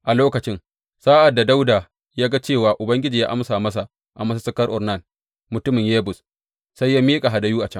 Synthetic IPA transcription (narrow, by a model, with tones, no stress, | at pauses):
ʔa˨loː˦kɐ˨t͡ʃɪ˦ŋ | saː˦ʔa˨dːa˨da˦wdaː˨ | jaː˦ɡa˦t͡ʃeː˦˨waː˨ʔʊ˨bɐ˦ŋɡʲɪ˦d͡ʒiː˨ja̰˦ʔa˦msaː˨mɐ˦s̬a˨ | ʔa˨mɐ˦s̬a˦sɐ˦kɐ˦rʔʊ˨rna˦˨n | mʊ˨tʊ˦mɪ˨ŋjeː˦bʊ˨s | sa˦jːaː˦miː˦kʼa˨ɦa˨da˦juː˦ʔa˨t͡ʃɐ˦ŋ